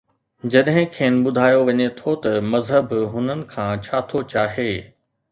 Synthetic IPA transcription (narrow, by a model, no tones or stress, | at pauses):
d͡ʑɐɗɦɪ̃kʰeːnɪ̆ɓʊd̪ʱaːjoʋɐɲet̪ʰot̪ɐmɐzɦəbɦʊnənɪ̆kʰãːt͡ɕʰaːt̪ʰot͡ɕaːɦeː